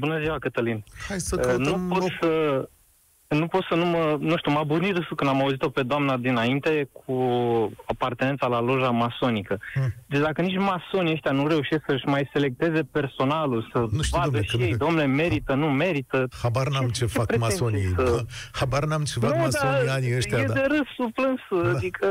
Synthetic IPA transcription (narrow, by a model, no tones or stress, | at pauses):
bunəziwakət̪əlinhajsənupo̞t̪sə | nupo̞t̪sənumənuʃt̪ʲumabunid̪ɨsukɨnd̪amauzit̪o̞pe̞d̪oamnad̪inaint̪e̞kʰu | apart̪enet̪salalo̞ʒamaso̞nikəd̪et͡ʃd̪akənit͡ʃʲmaso̞niəʃt̪ʲjanuɾe̞uʃisksəɨʃmajse̞le̞k̚t̪e̞ze̞pe̞rso̞nalulsənuʃvad̪əʃiejd̪omne̞me̞ɾit̪ənume̞ɾit̪əhabaɾnamt͡ʃefeakpɾemaeonisəhabaɾnamt͡ʃefnaomasonianiəʃj̪jaead̪eɾəsuplɨnsəad̪ikʰə